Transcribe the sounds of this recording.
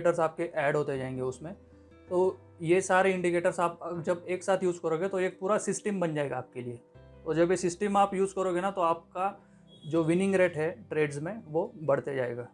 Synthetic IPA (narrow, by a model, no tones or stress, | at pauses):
ʈəɾzaːp̚keʔɛːɖɦoːt̪ed͡ʒaːẽːŋɡeʊsmẽ | t̪oː | jesaːɾeɪ̃ɳɖikeːʈəɾsaːp̚d͡ʒɐbeːksaːt̪ʰjuːzkɐɾoːɡet̪oeːk̚puːɾasɪsʈəmbɐnd͡ʒaːeːɡaːp̚kelie | t̪oːd͡ʒɐbjesɪsʈəmaːpjuːzkɐɾoːɡenat̪oaːp̚ka | d͡ʒoːʋɪnɪ̃ŋɡɾeːʈɦɛʈɾeːɖzmẽʋobɐɽt̪ed͡ʒaːḛːɡaː